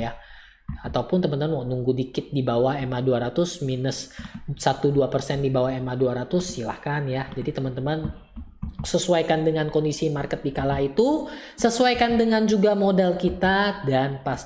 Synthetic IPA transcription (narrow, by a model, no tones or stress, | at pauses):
ja | at̪awpʊnt̪əmant̪əmanwaʔnuŋɡudikɪt̪̚dibawahemaduaɾat̪ʊsminəssat̪uduapərsɛndibawaɦemahduaɾat̪ʊsːilahkanjad͡ʒadit̪əmant̪əman | səsuajkandəŋankɔndisimarkət̪̚dikalait̪u | səsuajkandəŋand͡ʒuɡamodɛlkit̪adanpas